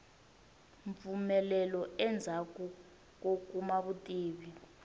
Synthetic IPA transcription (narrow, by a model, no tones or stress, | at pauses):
ɱfumɛlɛlɔɛnd͡zʱakʼu | k̬ʼok̬ʼumaɓutʼiːɓi